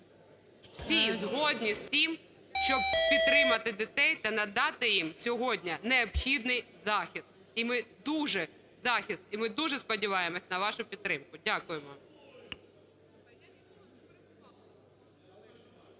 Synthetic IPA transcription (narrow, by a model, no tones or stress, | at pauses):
wsʲizɦɔdʲnʲisʲt̪ʲim | ʃt͡ʃɔb̚pʲidt̪t̪ːɾɪmɐt̪ɪd̪ɪt̪ɛjt̪ɐnɐd̪ɑt̪ɪjimsʲɔɦɔdʲnʲɐneɔbxʲid̪nɪjzɑxʲist̪̚ | imɪd̪uʒɛ | zɑxʲist̪imɪd̪uʒɛspɔdʲiʋɑjemɔsʲɐnɐʋɑʃʊpʲit̪ːɾɪmkʊdʲakʊjemɔ